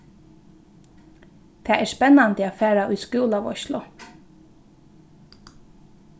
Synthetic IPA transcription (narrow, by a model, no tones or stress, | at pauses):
t̪ʰɛːʔɛːɹspɛnːant̪əaːfæːɾaʔʊjskuːlaʋɔ̰ʃlʊ̰